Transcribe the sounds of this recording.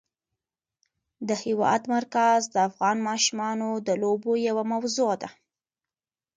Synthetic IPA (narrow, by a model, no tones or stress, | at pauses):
d̪əhɪwɑ̰jat̪maɾkazd̪əafɣɑnmɑʃumɑnod̪əlobojawamawzoad̪a